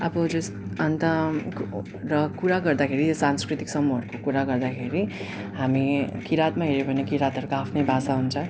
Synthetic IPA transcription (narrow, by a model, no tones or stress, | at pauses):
ʌbʌd͡zus | ʌnt̪ʌ | rʌkuɾaɡʌrd̪akʰeɾitosanskrit̪iksʌmːuɦʌɾukokuɾaɡʌrd̪akʰeɾi | ɦamikiɾat̪maɦeɾebʱʌnekiɾat̪ɦʌɾukoapʰnʌjbʱasaɦunt͡sʰʌ